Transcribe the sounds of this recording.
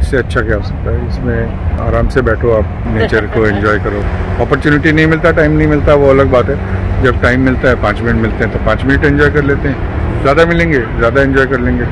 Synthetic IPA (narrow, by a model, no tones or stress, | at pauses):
ɪsːeɐtːʃʰakjaɦoːsɐk̚t̪aɦɛɪsmẽ | a̰ːɾaːmsebɛːʈʰoaːp̚ | neːt͡ʃəɾkoɛ̃ɲd͡ʒɔːjkɐɾoːɔːpəɾt͡ʃuːnɪʈinɐɦĩmɪlt̪aʈaːɪmnɐɦĩmɪlt̪aɦɛʋoɐləɡ̚baːt̪ɦɛd͡ʒɐb̚ʈaːɪmːɪlt̪aɦɛpãːt͡ʃmɪnɪʈmɪlt̪ẽɦɛ̃t̪opãːt͡ʃmɪnɪʈɛ̃ɲd͡ʒɔːjkɐɾleːt̪eɦɛ̃ | zjaːd̪amɪlẽːŋɡeːzjaːd̪aɛ̃ɲd͡ʒɔːjkɐɾlẽːŋɡe